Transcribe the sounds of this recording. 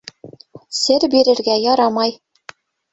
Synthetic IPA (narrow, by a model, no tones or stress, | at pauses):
sɘɾbiɾɘ̆ɾɡæjɒɾɑmɑj